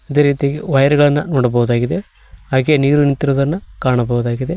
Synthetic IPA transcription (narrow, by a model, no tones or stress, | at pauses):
ɐd̪e̞ːɾiːt̪ijaːɡeʋɐjɐɾɛɡɐɭɐnːɐnoːɽɐbɐʋud̪aːɡid̪e̞ | aːɡeniːɾunint̪ːiɾoːd̪ɐnːɐkaːɳɐbɐʋud̪aːɡid̪e̞